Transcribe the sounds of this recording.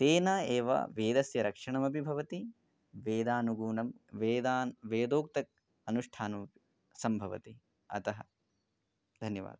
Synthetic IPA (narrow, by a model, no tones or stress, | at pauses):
t̪eːnɐeːʋɐ̰ʋeːd̪ɐsjɐɾɐkʂɐɳɐmɐbʱibʱɐʋɐt̪i | ʋeːd̪aːnuɡuːnɐmʋeːd̪aːnʋeːd̪oːk̚t̪ɐk̚ | ɐnuʂʈʰaːnumɐpi̥ | sɐmbʱɐʋɐ̰t̪i | ɐ̰t̪ɐɦɐ̰ | d̪ʱɐnjɐʋa̰ːd̪ɐ